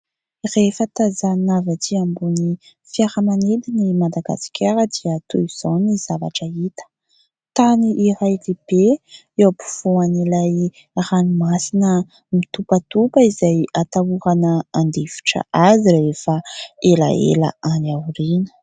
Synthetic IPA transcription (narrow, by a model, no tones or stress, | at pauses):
refət̪azanavat̪ʰiambuni | fiaɾəmaned̪inimad̪aɡa̰si̥kʰʲaɾəd̪iət̪uiz̥oniz̥ava̰ʈ͡ʂəit̪ə̥ | t̪aniʔiɾajleb̥e | ewpu̥fuanilaj | ranimasinə | mit̪upat̪upəizajat̪auɾanəand̪evi̥ʈ͡ʂə̰ʔazirefəela̰ḛla̰anawɾinə̥